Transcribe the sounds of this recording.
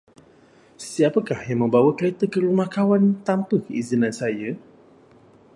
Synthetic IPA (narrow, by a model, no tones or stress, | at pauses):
siapəkahjaŋmə̃mbawəkəlet̪əkəɾumahkawant̪ampəkəizinãnsaja